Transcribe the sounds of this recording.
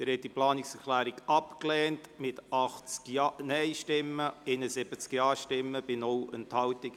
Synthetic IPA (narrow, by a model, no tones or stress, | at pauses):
dɪɾhɛt̚diplɑːnɪksɛɾklæːɾiɡɑpklɛːntmɪtʔɑχt͡sknɛɪʃtɪmːəɪnəsɪb̥ət͡skjɑːʃtɪmːəb̥ɪnɔwənthɑwtɪk